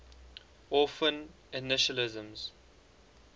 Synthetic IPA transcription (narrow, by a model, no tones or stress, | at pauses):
ɔfə̃n | ɪnɪʃəlɪzə̃mz̥